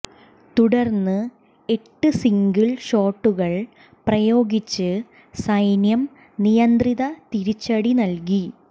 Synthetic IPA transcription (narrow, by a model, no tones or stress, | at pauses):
t̪uɽɐrnːɨ | e̞ʈːɨsiŋɡilɕo̞ːʈːuɣɐɭ | prɐjo̞ːɡit͡ɕːɨ | sɐjnjɐm | nijɐnd̪riðɐt̪iɾit͡ɕːɐɽinɐlki